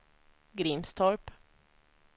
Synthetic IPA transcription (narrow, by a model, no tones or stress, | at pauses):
ɡɾimst̪ʰɔɹp